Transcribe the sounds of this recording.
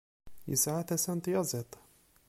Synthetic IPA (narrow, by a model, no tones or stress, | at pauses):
jɪ̰saʕat̪asant̪jɑzˤet̪ˤ